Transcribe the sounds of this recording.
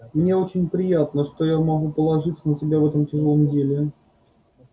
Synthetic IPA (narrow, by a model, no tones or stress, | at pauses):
mnʲeot͡ɕɪnʲpɾʲɪjat̪nəʂt̪ojamɐɡupəlˠɐʐɨt̪sənəsʲɪbʲavɛt̪əmtʲɪʐɨlˠomdʲelʲɪ